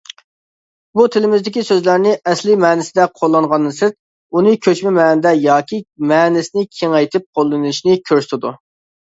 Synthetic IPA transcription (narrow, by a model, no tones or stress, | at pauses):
but̪ʰɪlɪmɪzd̪ɪkʲisøzlæɾnɪʔɛslɪmɛːnɪsɪd̪ɛqʰolˠːɑŋʁɑnːɨsɪt̪̚ | unɨkʲʰøt͡ʃmɪmɛːnɪd̪ɛjɑːkʲimɛːnɪsɪnɪkʲʰeŋɛjt̪ʰɪp̚qʰolˠːɨnɨʃnɪkʲʰøɾsɪ̥t̪ʰɪd̪u